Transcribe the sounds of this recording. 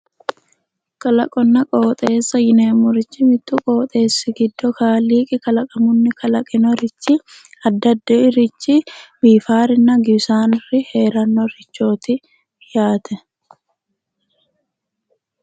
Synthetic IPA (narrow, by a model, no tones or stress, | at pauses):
kʼɐlɐ̰kʼɔnːɐkʼo̞ːt̪ʼeːsːɐjɪneːmʊɾɪt͡ʃːɪmɪt̪ːukʼo̞ːt̪ʼe̞ːsːɪɡɪd̪ːɔkaːliːkʼɪkɐlɐkʼɐmʊnːɪkɐlɐkʼɪnɔɾɪt͡ʃːɪ | ɐd̪ːɐd̪ːɛɪɾɪt͡ʃːɪbiːfaːɾɪnːɐɡɪbsaːnɪrɪheːɾɐnːɔɾɪt͡ʃːo̞ːt̪ɪ | jaːt̪ʰɛ